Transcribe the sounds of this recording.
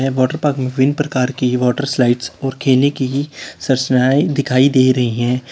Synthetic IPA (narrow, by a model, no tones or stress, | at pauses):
ɛ̃ʋɔːʈəɾpaːkmẽʋɪnpɾɐkaːɾkiʋɔːʈəɾslaːɪʈsɔːɾkʰeːlnekisɐɾsnaːid̪ɪkʰaːid̪eːɾɐɦiɦɛ̃ː